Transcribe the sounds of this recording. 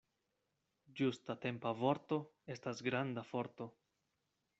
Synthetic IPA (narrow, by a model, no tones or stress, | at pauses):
d͡ʒustate̞mpavo̞ɾto̞e̞stasɡɾandafo̞ɾto̞